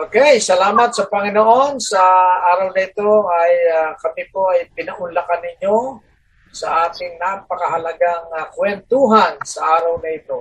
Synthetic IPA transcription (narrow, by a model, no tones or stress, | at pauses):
ʔokɛjsɐlaːmɐt̪̚sɐpɐŋɪnoʔo̞nsɐʔaːɾɐwnɐɪt̪o̞ʔajakɐmipoʔɐjpɪnɐʔʊnlɐkanɪɲo | sɐ̰ʔaːt̪ɪŋnapɐkɐɦɐlɐɡaŋakwɛnt̪uɦansɐʔaːɾɐwnɐɪt̪o̞